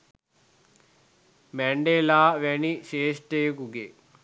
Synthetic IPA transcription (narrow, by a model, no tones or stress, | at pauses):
mɛɳɖeːlaːʋeniʃeːʂʈeːkuɡe